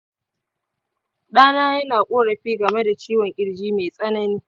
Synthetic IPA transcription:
ɗaː˦naː˦jɐ˦naː˨kʷʼoː˦ɽɐ˨ɸiː˦ɡɐ˨me˦da˨t͡ʃiː˦wɐ˨ŋʔʲʼɪ˦ɽd͡ʒiː˦meː˨sʼɐ˦nɐ˦niː˦

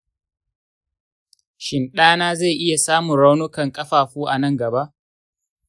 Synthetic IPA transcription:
ʃɪ˨nɗaː˦naː˦ze˦˨ʔɪ˦ja˨saː˦mʊ˨nɽa˦wnʊ˦kɐ˨ŋkʼɐ˦ɸaː˨ɸuː˦ʔa˨nɐ˦˨ŋɡɐ˨ba˦ʔ

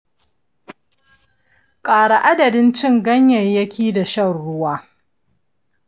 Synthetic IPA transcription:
kʼaː˨ɽa˨ʔa˦dɐ˨dɪ˦nt͡ʃɪ˦ŋɡɐ˦ɲjɐ˨jjɐ˦kʲʰiː˦da˨ʃɐ˦˨rɽʊ˦waː˦

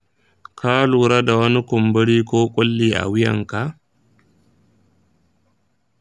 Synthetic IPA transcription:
kʰaː˦luː˨ɾa˦da˨wɐ˦ni˦kʊ˨mbɐ˦ɽiː˦koː˦kʼʊ˦lːiː˦ʔa̰˨wɪ˦jɐ̰˨ŋka˨ʔ

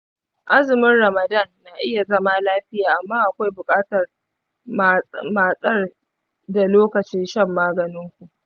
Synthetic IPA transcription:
ʔa˦zɪ˨mɪ˦nrɐ˨mɐ˨dɐ˦˨nːaː˨ʔɪ˦ja˨zɐ˦ma˦laː˦ɸɪ˦jaː˨ʔa˨mːaː˦ʔa˨kʷa˦jbʊ˨kʼaː˦tɐ˨r | maː˨sʼɐ˦r | da˨loː˦kɐ˨t͡ʃɪ˦nʃɐ˦mːaː˦ɡɐ˨nɪ˦ŋkʷu˨ʔ

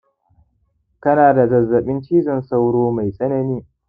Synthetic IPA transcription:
kɐ˦naː˨da˨zɐ˨zːɐ˨ɓɪ˦nt͡ʃiː˦zɐ˨nsa˦wɽoː˦ma˨jsʼɐ˦nɐ˨niː˦

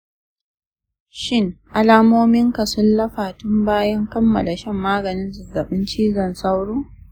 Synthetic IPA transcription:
ʃɪ˦ŋʔa˦laː˦moː˦mɪ˦ŋka˨sʊ˦nlɐ˦ɸaː˨tʊ˦mbaː˦jɐ˦ŋkɐ˦mːɐ˨la˨ʃɛ˦mːaː˦ɡɐ˨nɪ˦nzʊ˨zɐ˨ɓɪ˦nt͡ʃiː˦zɐ˨nsa˦wɽoː˦

